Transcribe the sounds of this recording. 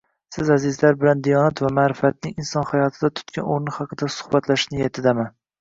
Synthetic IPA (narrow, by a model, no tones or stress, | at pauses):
sɪzazɪzlaɾbɪland̪ijɒnat̪vamaːɾɪfat̪̚nɪŋɪnsɒnhajɒt̪ʰɪd̪at̪ʰʊ̥t̪kʲʰanoɾnɪhɑqʰɨd̪asʊ̥hbat̪laʃnɪjet̪ʰɪd̪aman